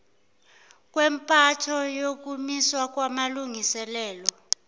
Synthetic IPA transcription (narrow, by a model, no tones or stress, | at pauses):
k̬ʼwɛmpʼatʰɔjok̬ʼumiswak̬ʼwamaluŋisɛlɛːlɔ